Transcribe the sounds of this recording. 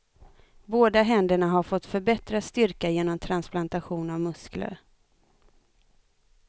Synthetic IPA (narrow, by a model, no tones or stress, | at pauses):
boːd̪aɦɛnd̪əɳaɦaɾfɔt̪ːfœɾbɛt̪ɾast̪ʏɾkajeːnɔmt̪ʰɾansplant̪aɧuːnavmɵsklə̰ɾ